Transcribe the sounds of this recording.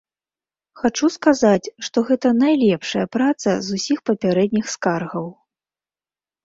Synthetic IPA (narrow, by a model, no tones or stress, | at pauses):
xat͡ʂuskazat͡sʲʂt̪ɔɣɛt̪ɐnajlʲɛpʂɐjɐpɾat̪sɐ̰zusʲixpɐpʲaɾɛd̪ʲnʲixskarɣɐw